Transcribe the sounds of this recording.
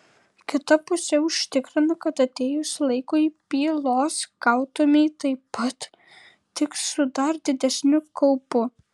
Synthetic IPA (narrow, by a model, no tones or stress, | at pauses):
kʲɪt̪ɐpʊsʲɛʊʃʲt̪ʲɪkɾʲɪnɐkɐt̪ɐt̪ʲeːjʊslˠɐɪkojpʲiːlˠoːskɐʊt̪omʲɛɪt̪ɐɪpɐt̪ | t̪ʲɪksʊd̪ɐɾd̪ʲɪd̪ʲɛsʲnʲʊkɐʊpʊ